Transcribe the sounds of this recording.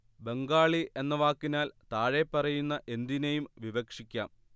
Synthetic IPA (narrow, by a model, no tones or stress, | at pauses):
be̞ŋɡaːɭiʔe̞nːɐʋaːkːinaːlt̪aːɻepːɐrɐjunːɐʔe̞nd̪inejumʋiʋɐkʂikʲːaːm